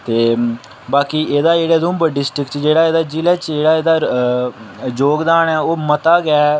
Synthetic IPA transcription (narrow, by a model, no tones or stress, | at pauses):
t̪eː | baːkiːʔeːd̪aːd͡ʒeːɽeːd̪ʊ̃ːmbəɖɪsʈɾɪkt͡ʃd͡ʒeːɽaːeːd̪aːd͡ʒilɛːt͡ʃd͡ʒeːɽaːeːd̪aː | d͡ʒoːɡd̪aːnɛːoːmət̪aːɡɪɛː